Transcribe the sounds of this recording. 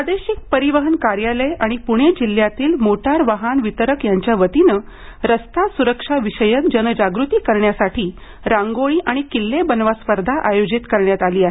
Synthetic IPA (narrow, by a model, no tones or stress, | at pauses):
ad̪eɕik̚pəɾiʋəɦənkaɾjaləjaɽ̃ipuɽ̃ed͡ʑil̤ːjat̪iːlmoʈaɾʋaɦanʋit̪əɾəkjaɲt͡ɕjaʋət̪inəː | ɾəst̪asuɾəkʂaʋiɕəjət̪̚d͡ʑənəd͡ʑaɡɾut̪iːkəɾɳjasaʈʰiː | ɾãŋɡoɭiːʔaɽ̃ikilːebənʋaspəɾd̪ʱaʔajod͡ʑit̪kəɾɳjat̪aliːaɦe